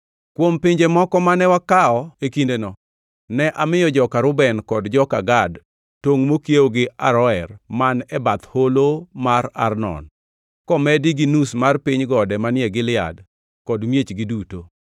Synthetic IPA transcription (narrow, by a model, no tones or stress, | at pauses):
kwompɪɲd͡ʒemɔkɔmanɛwakaɔekindenɔ | nɛʔamɪjɔd͡ʒɔkaɾʊbɛnkɔdd͡ʒɔkaɡad | toŋmokjeoɡɪaɾɔɛrmanɛbat̪holomaɾa̰rnɔ̰n | kɔmɛdiɡinusmarpiɲɡɔdɛmanɪjɛɡɪlɪa̰d | kɔdmjet͡ʃɡɪduto